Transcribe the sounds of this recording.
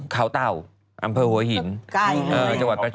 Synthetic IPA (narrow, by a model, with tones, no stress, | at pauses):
kʰaː˦˥wt̪a˧˩w | ʔa˧mpʰɤː˧hu˩˦ɐhi˩˦n˧ʔɤː˧˨˩t͡ɕa˧ŋwa˨˩t̪̚pɾa˧˥t͡ɕ